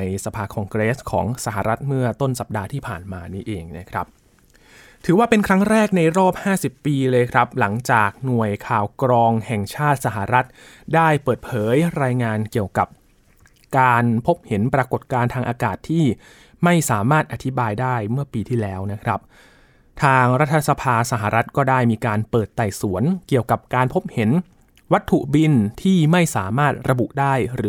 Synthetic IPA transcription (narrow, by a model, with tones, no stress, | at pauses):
jsa˧pʰaː˧kʰɔː˧ŋkɾeː˦˥skʰɔ̰ː˩˦ŋsa˧˦ɦa˨˩ɾʔa˦˥t̪̚mɯ˥˩ɐt̪o˥˩nsa˨˩p̚daː˧t̪ʰiː˥˩pʰaː˨˩nmaː˧niː˦˥ʔeː˧ŋna˦˥kʰɾa̰˦˥p̚ | t̪ʰɯː˩˦waː˥˩pe˧nkʰɾa˦˥ŋɾɛː˥˩k̚na˧jɾɔː˥˩p̚haː˥˩si˨˩pːiː˧lɤː˧jkʰɾa˦˥p̚la˩˦ŋt͡ɕaː˨˩k̚nu˨˩əjkʰaː˨˩wkɾɔː˧ŋhɛ˨˩ŋt͡ɕʰaː˥˩t̪̚sa˨˧ɦa˨˩ɾa˦˥t̪̚ | daː˥˩jpɤː˨˩t̪̚pʰɤː˩˦jɾaː˧jŋaː˧nki˨˩əwka˨˩p̚ | kaː˧npʰo˦˥p̚he˩˦npɾa˧ko˨˩t̪̚kaː˧nt̪ʰaː˧ŋʔaː˧kaː˨˩t̪ʰːiː˥˩ | ma˥˩jsaː˩˦maː˥˩t̪̚ʔa˨˧t̪ʰi˦˥baː˧jdaː˥˩jmɯ˥˩əpiː˧t̪ʰiː˥˩lɛː˦˥wna˦˥kʰɾa˦˥p̚ | t̪ʰaː˧ŋɾa˦˥t̪ʰːa˧sa˧pʰaː˧sa˨˧ɦa˨˩ɾa˦˥t̪̚kɔː˥˩daː˥˩jmiː˧kaː˧npɤː˨˩t̪ːa˨˩jsu˩˦ənki˨˩əwka˨˩p̚kaː˧npʰo˦˥p̚he˩˦n | wa˦˥t̪ʰːu˨˩bi˧nt̪ʰiː˥˩ma˥˩jsaː˩˦maː˥˩t̪̚ɾa˧bu˨˩ʔdaː˥˩jɾɯː˩˦